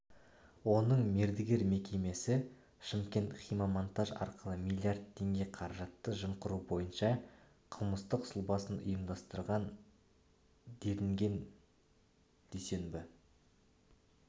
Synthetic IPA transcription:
wo̞nəɴme̞ɾd̪ɪɡʲe̞ɾme̞kʲe̞me̞sɪ | ʃɪmkʲe̞nt̪χijmamont̪aʒɑ̰ɾqəlˠəmilʲːijard̪̚t̪ʰːe̞ŋɡʲe̞qʰɑɾɑʒɑt̪ːəʒəmqəɾubo̞jənʃɑ | qʰəlˠməst̪əqsʊlˠbɑsənʊ̰jəmd̪ɑst̪əɾʁɑn | d̪e̞lɪŋɡʲe̞n | d̪̥ese̞nbɪ

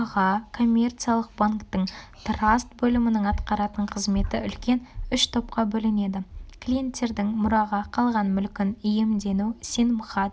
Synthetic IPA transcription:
ʁɑkʰo̞mʲːe̞rt̪sijalˠəq̚baŋkt̪əɴt̪rast̪bɵlɪmɪnəɴɑt̪qɑɾɑt̪əɴqʰəzme̞t̪ɪ̰ʏlkʲe̞nʏʃt̪ʰo̞p̚qɑbɵlɪne̞d̪ɪkʰlʲije̞nt̪ʲːe̞ɾd̪ɪŋmʊɾɑʁɑqʰɑlˠʁɑnmʏlkʲɪnʏje̞md̪e̞nusenmʊχɑ

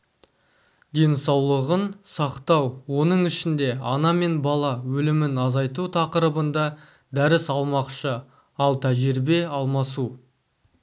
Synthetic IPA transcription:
d̪e̞nsɑwlˠəʁənsɑqt̪ɑwwo̞nəɴɪʃɪnd̪e̞ɑnɑme̞nbɑlˠɑwɵlɪmɪnɑzɑjt̪̬ut̪ʰɑqəɾəbənd̪ɑ | d̪æɾɪsɑlˠmɑqʃə | ɑlˠt̪ʰæʒɪɾbe̞ɑlˠmɑsu

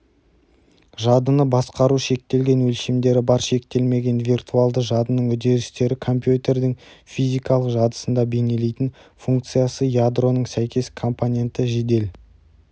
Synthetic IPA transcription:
ʒɑd̪ənəbɑsqɑɾuʃe̞k̚t̪e̞lɡʲe̞nwɵlʃemd̪e̞ɾɪbɑɾʃe̞k̚t̪e̞lme̞ɡʲe̞nvʲirt̪ʰualˠd̪əʒɑd̪ənəɴwɵd̪e̞ɾɪst̪e̞ɾɪkʰo̞mpjut̪e̞rd̪ɪŋfizijkɑlˠəqʒɑd̪ə̥sənd̪ɑbe̞ne̞le̞jt̪ɪn | fuŋk̚t̪sɨjasəjad̪ro̞nəɴsæjkʲe̞skʰo̞mponʲe̞nt̪əʒe̞d̪e̞l

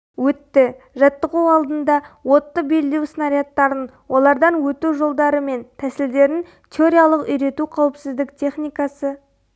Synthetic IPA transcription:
wɵt̪ːɪ | ʒɑt̪ːəʁuɑlˠd̪ənd̪ɑwo̞t̪ːəbe̞lːewsnɑɾijat̪ːɑɾən | wʔo̞lˠɑɾd̪ɑnwɵt̪uʒolˠd̪ɑɾəme̞nt̪ʰæsɪld̪e̞ɾɪn | t̪ʲʰeo̞ɾʲijalˠəqʏjɾe̞t̪uqʰɑwəpsɪzd̪ɪkt̪ʰe̞χnijkɑsə

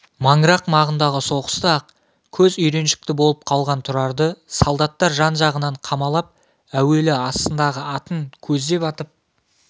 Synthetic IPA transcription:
mɑŋɡɾɑqmɑʁənd̪ɑʁəso̞qə̥st̪əɑq | kʲʰɵzʏjɾe̞nʃɪ̥k̚t̪ɪbo̞lˠəp̚qʰɑlˠʁɑnt̪ʰʊɾɑɾd̪əsolˠd̪ɑt̪ːɑɾʒɑnʒɑʁənɑɴqʰɑmɑlˠɑp̚ | æwe̞lɪɑst̪ənd̪ɑʁəɑt̪əŋkʲʰɵzd̪e̞pɑt̪əp̚

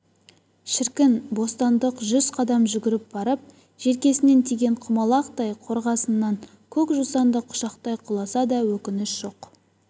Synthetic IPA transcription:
ʃɪɾkʲɪnbo̞st̪ɑnd̪əqʒʏzqʰɑd̪ɑmʒʏɡʲɪɾɪp̚b̥ɑɾəp̚ | ʒ̥e̞ɾkʲe̞sɪne̞nt̪ʰijɡʲe̞ɴqʰʊmɑlˠɑqt̪ɑjqʰo̞ɾʁɑsənːɑŋ | kʲʰɵkʒusɑnd̪əqʰːʊ̥ʃɑqt̪ɑjqʰʊlˠɑsɑd̪ɑwɵkʲɪnɪsʒ̥o̞q

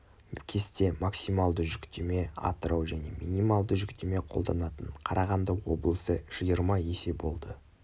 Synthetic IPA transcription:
kʲʰe̞st̪e̞maksimɑlˠd̪əʒʏkt̪e̞me̞ɑ̰t̪əɾɑwʒæne̞̰mḭnijmalˠd̪əʒʏkt̪ʰe̞me̞qʰo̞lˠd̪ɑnɑt̪əɴqʰɑɾʔɑʁɑnd̪əwo̞̰blˠəsəʒ̥əjəɾmɑje̞se̞bo̞lˠd̪ə

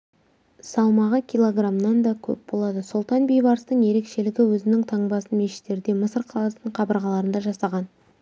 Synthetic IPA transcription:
sɑlˠmɑʁəkʲijlˠo̞ɡramnɑnd̪ɑkʲʰɵ̰p̚bo̞lˠɑd̪əsolˠt̪ɑnbejbɑɾst̪əɴje̞ɾe̞kʃe̞lɪɡʲɪwɵzɪnɪŋt̪ʰɑɴbɑsənme̞ʃɪ̥t̪ːe̞ɾd̪e̞məsəɾqʰɑlˠɑst̪əɴqʰɑbəɾʁɑlˠɑɾənd̪ɑʒɑsɑʁɑn

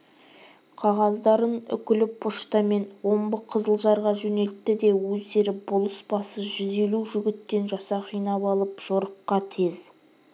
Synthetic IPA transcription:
qʰɑʁɑzd̪ɑɾənʏ̰kʲɪlɪpʰʊʃt̪ɑme̞nwo̞mbəqʰəzəlˠʒɑɾʁɑʒɵne̞lt̪̚t̪ːɪd̪e̞wɵze̞ɾɪbʊlˠəsbɑsəʒʏze̞luʒʏɡʲɪt̪ːe̞nʒɑsɑqʰijnɑpɑlˠəpʒ̥oɾəp̚qɑt̪ʰe̞z

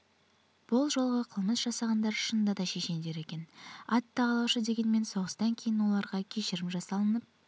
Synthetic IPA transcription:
b̥ʊlˠʒo̞lˠʁəqʰəlˠməsʒ̥ɑsɑʁɑnd̪ɑɾʃənd̪ɑd̪ɑʃe̞ʃe̞nd̪e̞ɾe̞kʲe̞nɑt̪ʰːɑʁɑlˠɑwʃəd̪e̞ɡʲe̞nme̞nso̞ʁəst̪ɑŋkʲʰe̞jɪnwo̞lˠɑɾʁɑkʲʰe̞ʃɪɾɪmʒɑsɑlˠənəp̚

